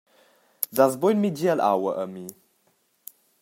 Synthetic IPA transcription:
dazbojnmid͡ʒiəlʔa̰wəʔəmi

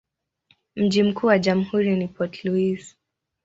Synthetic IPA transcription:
m̩ʄim̩kuːwaʄam̩huɾinipɔtʰluis

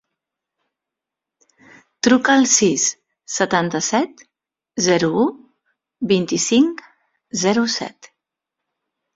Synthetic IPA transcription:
t̪ɾukəːlˠsisː | ət̪ant̪əsɛt̪ | zɛɾuu | bint̪isiŋk | zɛɾusɛ̰t̪

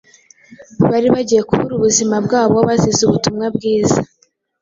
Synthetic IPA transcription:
βaɾiβaɟije̞kuβuɾuβuzimabɡaːβoaβazizuβutumŋabɡiːza

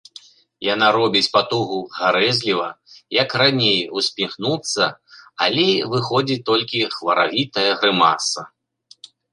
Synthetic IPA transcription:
janaɾɔbʲit͡sʲpat̪uɣuɣaɾɛzʲlʲivɐ̰jɐkranʲejusʲpʲixnut̪sːɐa̰lʲɛvɨxɔd͡zʲit̪ɔlʲkʲixvɐɾa̰vʲit̪ɐjɐɣɾɨmasɐ

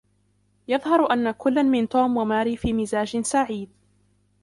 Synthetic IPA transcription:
jɑðˤhɑɾʔanːakʊlːanmɪnt̪uːmwamaːɾiːfiːmɪzaːd͡ʒɪsaʕiːd̪

